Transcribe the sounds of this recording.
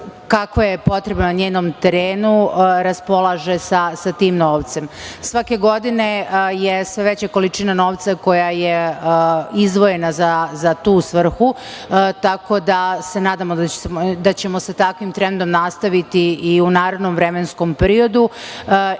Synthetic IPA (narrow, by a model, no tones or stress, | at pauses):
kakʋojepo̞t̪ɾebnonaɲeːnomt̪eɾeːnuɾaspo̞lˠaʒesasat̪iːmno̞ːʋt̪se̞msʋake̞ɡo̞d̪ine̞jesʋe̞ʋe̞t͡ɕako̞lit͡ʃiːnano̞ːʋt̪sako̞jajeəizd̪ʋo̞je̞nazazat̪uːsʋr̩xu | t̪ako̞d̪ase̞naːd̪amod̪d̪at͡ɕe̞mo̞sat̪akʋimt̪ɾe̞nd̪o̞mnast̪aʋit̪iiunaːɾed̪nomvɾe̞mensko̞mpeɾio̞d̪u